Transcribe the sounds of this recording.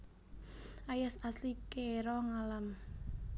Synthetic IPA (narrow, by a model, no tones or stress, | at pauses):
ʔajasaslikeɾɔŋalam